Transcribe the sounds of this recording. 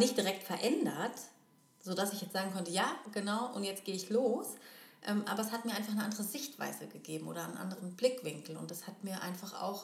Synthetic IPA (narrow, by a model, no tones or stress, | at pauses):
nɪçt̚d̥iʁɛk̚tfɛɐʔɛndɐt | z̥oːdasɪçjɛt͡sz̥aːɡŋ̩kʰɔntəjaːɡ̥ənaʊʔʊntjɛt͡stɡ̥eːəɪçloːsʔɛːmʔa̰ːbɐɛshat̚miɐaɪfaχnəʔandəʁəzɪçtv̥a̰ɪzəɡəɡeːbm̩ʔo̰ːɾɐanʔa̰ndəʁənblɪkv̥ɪŋkl̩ʊ̰ntdashatmiːɐʔa̰ɪnfaχʔa̰ʊx